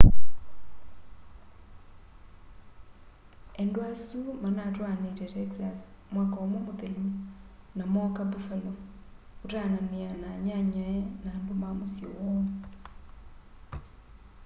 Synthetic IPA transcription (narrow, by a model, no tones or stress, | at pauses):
ɛndoasumanatwanetɛtɛksas | mwakaomomoðelu | namɔkabufalɔ | otanamianaɲaɲɔɛnaːmbomamosjɔ̰wɔ